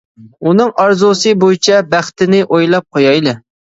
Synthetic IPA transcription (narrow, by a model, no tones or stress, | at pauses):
unɨŋɑɾzosɨbojit͡ʃʰɛbæχt̪ɪnɪʔojlˠɑp̚qʰojɑjlˠɨ